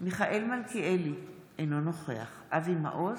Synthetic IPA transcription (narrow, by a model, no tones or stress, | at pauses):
miχaʔelmalkieli | ʔenonoχe̞aχʔavima̰ʔo